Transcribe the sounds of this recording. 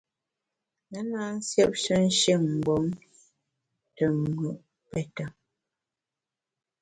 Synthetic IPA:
nə˦naː˦n̩˦sjɛ˦p̚ʃə˦n̩˦ʃi˦˨ŋm̩˨ɡ͡bɔ˨˦ŋ | tə˨ŋʉ˨ʔ | pɛ˨ta˨

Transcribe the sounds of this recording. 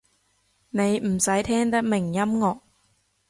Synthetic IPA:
ne˨˧jm̩˨˩sɐ˨˥jt̪ʰɛː˥ŋt̪ɐ˥k̚mɪ˨˩ŋjɐ˥mŋɔː˨˧k̚

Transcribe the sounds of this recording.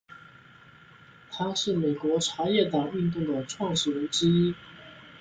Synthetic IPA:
t̪ʰa˥ʂɻ̩˥˩me˨˩ɪkwɔ˧˥ʈ͡ʂʰa˧˥jɛ˥˩t̪ɑ˨˩ŋy˥˧nt̪̬u˥˩ŋd̪ə˩ʈ͡ʂʰwɑ˥˧ŋʂɻ̩˥˩lə˧˥nʈ͡ʂɻ̩˥i˥

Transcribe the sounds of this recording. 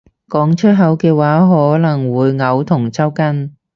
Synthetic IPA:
kɔː˨˥ŋt͡ʃʰɵ˥t̚ɦɐ˨˥wkɛː˧waː˨˥ɦɔː˨˥lɐ˨˩ŋwuː˨˧jŋɐ˨˧wt̪ʰʊ˨˩ŋt͡sɐ˥wkɐ˥n

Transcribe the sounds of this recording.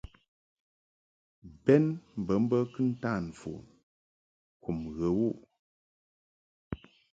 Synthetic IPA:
bɛ˦nm̩˨bə˨˦m̩˦bə˦kɨ˦n̩˦ta˦˨n˨fṵ˨ | ku˨mɣə˨wu˦˨ʔ

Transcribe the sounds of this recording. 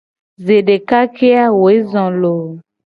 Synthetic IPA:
ze˨ɖe˨ka˦ke˦a˦wo˨e˦zɔ̃˨lo˨

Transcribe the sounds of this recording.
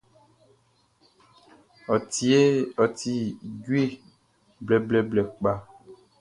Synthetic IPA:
ɔ˨ti˨˦e˦ɔ˨t̪i˨ɟwe˦˨ | blɛ˨blɛ˨blɛ˨k͡pa˦

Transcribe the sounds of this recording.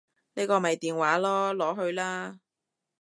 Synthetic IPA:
neː˥kɔː˧mɐ˨jt̪iː˨nwaː˨˥lɔː˥lɔː˨˥ɦɵ˧ɥlaː˥

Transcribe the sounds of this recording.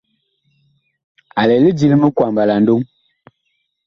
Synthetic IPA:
a˨lɛ˨li˦d͡ʒi˦lmə˦kwa˨mba˨la˨n̩˦do˦ŋ

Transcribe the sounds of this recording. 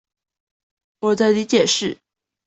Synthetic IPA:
wɔ˨˩t͡sa˥˩ɪli˧˥t͡ɕjɛ˨˩ʂɻ̩˥˩

